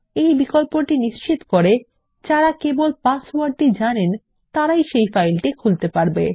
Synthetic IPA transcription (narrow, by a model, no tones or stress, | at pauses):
ejbikolpoʈiniʃt͡ɕit̪okoɾe | d͡ʑaɾakebolpaswaɖ̚ʈid͡ʑanen | t̪aɾajʃejfajlʈikʰult̪epaɾbe